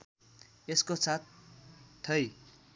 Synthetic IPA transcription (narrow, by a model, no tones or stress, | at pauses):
eskot͡sʰat̪̚ | t̪ʰʌj